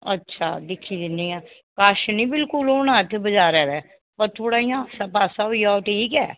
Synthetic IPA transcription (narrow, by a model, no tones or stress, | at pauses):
ə̰tːʃʰa̰ːd̪ɪkʰːiːd̪ɪniːãː | kaːʃnĩːbɪlkʊloːnãːt̪ʰːbəd͡ʒaːɾɛːɾɛː | pəɾt̪ʰoːɽaːijãːsəpaːsaːɦoːiːjaɔːʈʰiːkɛ̰ː